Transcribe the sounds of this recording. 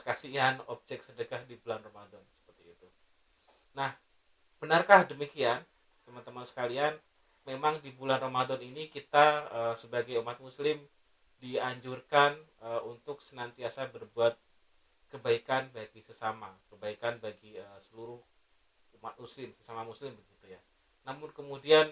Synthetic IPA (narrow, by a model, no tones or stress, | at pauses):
səkasianɔb̚d͡ʒɛk̚sədəɡahdibulanromadɔnsə̥pərt̪iːt̪u | nah | b̥ənərkahdəmikian | t̪əmant̪əmansə̥kalian | memaŋdibulanromadɔninikit̪aəsəbaɡajumat̪̚muslɪm | diaɲd͡ʒurkanəunt̪ʊksənant̪iasabərbuat̪̚ | kəbaikanbaɡisəsamakəbaikanbaɡiəsəluɾʊh | umat̪̚muslɪmsəsamamuslɪmbəɡit̪uja | namʊnkəmudian